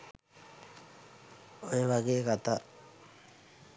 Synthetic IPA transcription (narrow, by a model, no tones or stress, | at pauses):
ojeʋaɡeːekat̪a